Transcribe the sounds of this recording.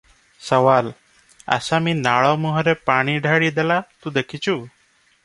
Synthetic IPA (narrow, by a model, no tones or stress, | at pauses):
səʋal | ə̰samiːnaɭɔmuɦɔɾepaɽ̃iɖʱaɭid̪elat̪ũd̪ekʰit͡ʃʰuː